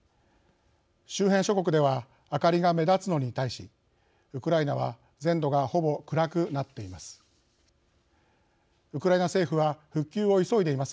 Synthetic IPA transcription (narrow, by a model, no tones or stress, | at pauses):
ɕɨːɦẽ̞ɕo̞ko̞kɯ̟d̪e̞β̞aː | kaɾʲiɡame̞d̪at͡sɨno̞ɲ̟it̪aiɕi | ɯ̟kɯ̟ɾainaβ̞a | zẽ̞nd̪o̞ɡaho̞bo̞kɯ̟ɾakɯ̟nat̪ːe̞imasɨ̥ | ɯ̟kɯ̟ɾainase̞ːɸɯ̟βaɸɯ̟kʲːɨːo̞iso̞id̪e̞imasɨ̥